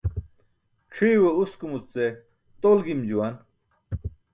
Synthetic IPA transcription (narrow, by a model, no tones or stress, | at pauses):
ʈ͡ʂʰiːweuskumut͡se | t̪olɡimd͡ʑuwan